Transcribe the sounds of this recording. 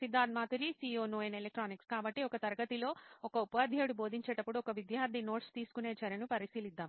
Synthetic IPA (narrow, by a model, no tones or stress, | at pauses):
sid̪ːaːd̪̚maːt̪uɾisiːoːnoːenelek̚ʈɾaːnikskaːbɐʈːiɔkɐt̪ɐɾɐɡɐt̪ilo̞ːɔkɐupaːd̪ʱjeːɽubo̞ːd̪iɲt͡ʃeːʈɐpːuɽuɔkɐʋid̪jaːɾd̪ʱino̞ːʈst̪iːsu̥kune̞ːt͡ʃɐɾɐnupɐɾisiːlid̪ːaːm